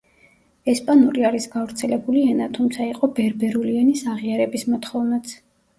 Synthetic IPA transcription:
ɛspʼanuɾiaɾisɡavɾt̪sʰɛlɛbuliɛnat̪ʰumt̪sʰaiqʼɔbɛɾbɛɾuliɛnisaʁiaɾɛbismɔt̪χɔvnat̪sʰ

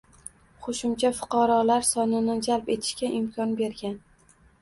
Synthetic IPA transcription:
qʰoʃʊmt͡ʃʰafʊ̥qʰɑɾɒlaɾsɒnɪnɪd͡ʒalpe̞t̪ʰɪ̥ʃkʲaʔɪmkʲʰɒnbe̞ɾɡʲan

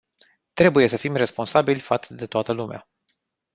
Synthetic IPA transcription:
t̪ɾe̞buje̞səfimre̞spo̞nsabilʲfat̪sd̪e̞t̪oat̪əlumea̰

